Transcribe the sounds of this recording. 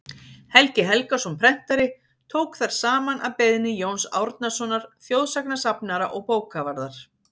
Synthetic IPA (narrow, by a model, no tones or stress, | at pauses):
hɛlcɪɦɛlkasumpʰɾɛn̥t̪aɾɪ | t̪ʰoːwkθaɾ̥saːmanaðpejðnɪjownsa̰wɾt̪nasɔnaɾ̥θjowðsaknasapnaɾa̰ʔɔɣpoːwkʰavaɾðaɾ̥